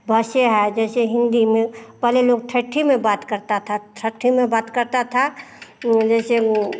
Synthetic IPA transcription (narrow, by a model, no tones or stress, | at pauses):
bʱəseɦɛd͡ʒɛːseɦɪ̃nd̪imẽpɛɦleloːɡ̚ʈʰəʈʰːimẽbaːt̪kəɾt̪at̪ʰaʈʰəʈʰːimẽbaːt̪kəɾt̪at̪ʰa | d͡ʒɛːse